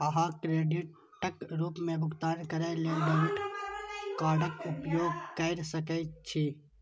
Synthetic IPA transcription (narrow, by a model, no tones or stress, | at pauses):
ɐɦãkɾeːɖɪʈː | əkɾuːpmẽbʱʊkt̪aːnkɐɾeleːɖəmɪʈ | kaːɖəkʊpjoːɡkəːɾsəkɛt͡ʃʰi